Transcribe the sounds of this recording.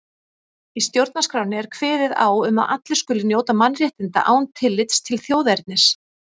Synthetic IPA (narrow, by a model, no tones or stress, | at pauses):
ist̪jowɾt̪̚naskɾaːwnɪɛɾ̥kʰvɛːðɪða̰ːwʏma̰ðʔa̰t̪lɪskʏːlɪnjoːwt̪amanrjɛht̪ɪnt̪a̰ʔaːwnt̪ʰɪlːɪt̪st̪ʰɪlθjoːwðɛɾt̪̚nɪs